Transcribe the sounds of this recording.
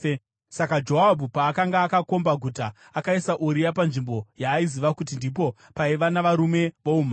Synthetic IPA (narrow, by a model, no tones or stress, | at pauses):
sakad͡ʒo̞ɦabʱupaːkaŋɡaːkako̞mbaɡʱutaː | kaisaʔuɾijapanʐimbo̞jaːiziʋakut̬indip̬o̞ | paiʋanaʋaɾume̞ʋoum̤a